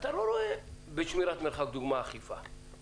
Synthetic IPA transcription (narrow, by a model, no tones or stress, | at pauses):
at̪aloɾoebet͡ʃmiɾat̪meɾχak̚d̪uɡmaːχifa